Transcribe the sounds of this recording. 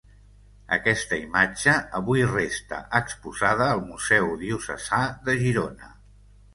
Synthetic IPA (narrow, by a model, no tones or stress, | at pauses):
ə̰kɛst̪əimad͡ʒəəβujrest̪ə̰ʔəkspuzað̞əːlˠmuzɛwðiusə̰z̥aðəʒiɾonə